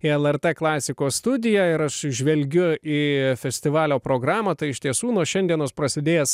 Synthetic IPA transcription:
iɛlˠɛɾt̪ɛːklˠɑːsʲɪkoːst̪ʊd̪ʲɪjæːɪɾɐʃʒʲʋʲɛlʲɡʲʊiːfʲɛsʲt̪ʲɪʋɑːlʲoːpɾoːɡɾɑːmɐt̪ɐɪɪʃt̪ʲiɛsuːnuɔʃʲɛnd̪ʲiɛnoːspɾɐsʲɪd̪ʲeːjɛs

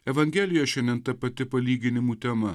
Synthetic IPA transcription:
ɛʋɐŋʲɡʲɛːlʲɪjoʃʲɛnd̪ʲɛnt̪ɐpɐt̪ʲɪpɐlʲiːɡʲɪnʲɪmuːt̪ʲɛmɐ

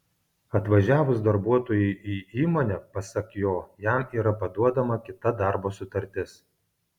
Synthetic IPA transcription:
ɐt̪ʋɐʒʲæːʋʊsd̪ɐɾbuɔt̪oːjɛɪʔiːiːmoːnʲɛpɐsɐkjoːjæˑmiːɾɐpɐd̪uɔd̪ɐmɐkʲɪt̪ɐd̪ɑˑɾboːsʊt̪ɐɾʲt̪ʲɪs

